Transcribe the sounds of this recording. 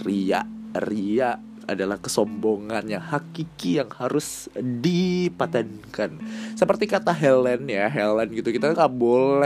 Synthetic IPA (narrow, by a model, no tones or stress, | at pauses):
ria̰ʔriaʔ | a̰dalahkəsɔmboŋanjaŋhakikijaŋhaɾʊsdipat̪ankansəpərt̪ikat̪aɦɛlɛnjaɦɛlɛnɡit̪ukit̪auŋɡaʔbolɛ